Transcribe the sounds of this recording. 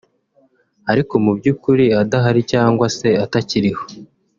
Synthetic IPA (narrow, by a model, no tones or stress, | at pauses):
aɾiko̞mubɟuːkuɾiadaɦaɾicaːŋɡwase̞ataciɾiho̞̥